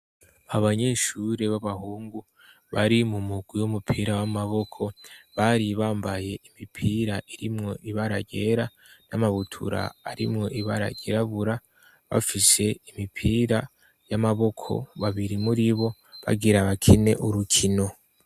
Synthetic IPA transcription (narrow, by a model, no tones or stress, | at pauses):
aβaɲe̞ːʃuɾe̞βaβahuːŋɡu | βaɾimumuɡ̥wiwumupʰiɾawamaβo̞kʰo̞βaɾiβaːmbaje̞ʔimipʰiːɾaʔiɾimŋo̞ʔiβaɾaɟe̞ɾa | namaβutʰṵɾa̰a̰ɾimŋo̞ʔiβaɾa̰ɟeɾaβuɾa | βa̰fise̞imipʰiɾa | jamaβo̞kʰo̞̰βaβiɾimuɾiβo̞βa̰ɡiɾaβakʰine̞̰ʔuɾukʰino̞